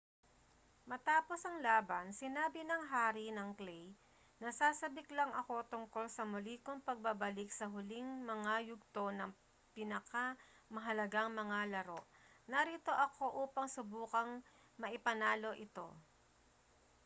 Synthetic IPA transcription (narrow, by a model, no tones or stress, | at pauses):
mɐt̪aːpo̞sʔɐŋlaːbɐnsɪnaːbɪnɐŋɦaːɾinɐŋklɛj | nɐsaːsɐbɪklɐŋɐko̞t̪ʊŋko̞lsɐmʊliːkoŋpɐɡ̚babɐlɪk̚sɐɦʊliŋmɐŋajʊɡ̚t̪o̞nɐŋ | pɪnɐka | mɐɦɐlɐɡaŋmɐŋalɐɾo̞ʔ | nɐɾit̪o̞ʔɐkʰo̞ʔuːpɐŋsʊbuːkɐŋ | mɐʔɪpɐnaːlo̞ʔɪt̪o̞̰